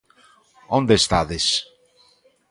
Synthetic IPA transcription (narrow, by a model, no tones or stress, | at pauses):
õnd̪est̪aðes